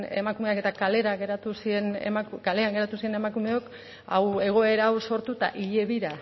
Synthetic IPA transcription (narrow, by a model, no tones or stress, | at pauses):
e̞̰makume̞ake̞t̪akale̞ɾaɣe̞ɾat̪usie̞nḛmakkale̞aŋɡe̞ɾat̪usie̞ne̞makume̞o̞k | a̰we̞ɣ̞o̞e̞ɾaːwso̞ɾt̪ut̪a̰ʔiʎe̞βiɾa